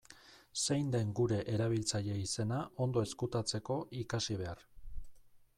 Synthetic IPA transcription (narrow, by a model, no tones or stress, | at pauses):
se̞jnd̪e̞ŋɡuɾe̞ʔeɾaβ̞ilt͡saʎe̞ise̞naʔo̞nd̪o̞e̞skut̪at͡se̞ko̞ʔikasiβ̞e̞ar